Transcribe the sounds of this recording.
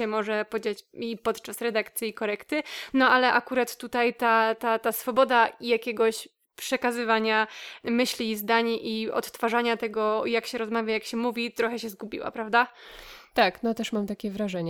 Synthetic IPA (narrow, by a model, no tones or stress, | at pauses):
ɛmɔʐɛpɔd͡ʑat͡ɕipɔt̪t͡ʂasɾɛd̪akt̪sʲjiikɔɾɛkt̪ɘnɔalɛʔakuɾat̪ːut̪ajt̪at̪at̪asfɔbɔd̪aijakʲɛɡɔɕ | pʂɛkazɘvaɲamɘɕlʲizd̪aɲʔiɔ̰t̪ːfaʐaɲat̪ɛɡɔjakɕɛɾɔzmavʲjajakɕɛmuvʲit̪ɾɔxɛɕɛzɡubʲḭwa̰pɾavd̪at̪aknɔt̪ɛʂmamt̪akʲɛvɾaʐɛɲɛ